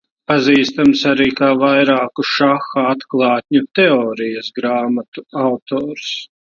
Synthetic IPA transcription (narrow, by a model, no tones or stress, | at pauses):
paziːst̪amsaɾiːkaːvajɾaːkuʃaxaat̪klˠɑːt̪̚ʲɲut̪ɛɔːɾijɐsɡɾaːmat̪uawt̪ɔːɾs